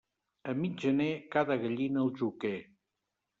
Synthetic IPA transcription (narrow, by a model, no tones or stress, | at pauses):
əmiʒənekaðəɣəʎinəlˠʒuke